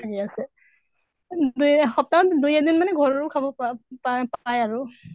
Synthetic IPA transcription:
tʰakiasɛ | dujxɔp̚taɔtdujad̪inmanɛɡʱɔɹɔɹʊkʰabɔpapajaɹu

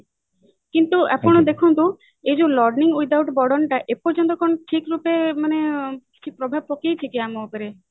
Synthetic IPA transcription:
kint̪uʔapɔɽ̃ɔd̪ekʰɔnt̪u | ed͡ʒulɔɾɖniŋwid̪awʈbɔɽɔɳʈaʔepɔɾd͡ʒɔnt̪ɔkɔñɔʈʰikɾupemaneki̥t͡ʃʰipɾɔbʱab̚pɔkejt͡ʃʰikiamɔupeɾe

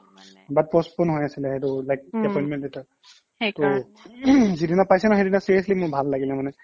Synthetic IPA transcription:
bat̚pɔspɔnɦɔjasilɛhetulajk̚dɛpɔjnmɛ̃ntita | to | zidinapajsɛnaxedinasiɹiəslimʊbʱalːaɡilɛmanɛ

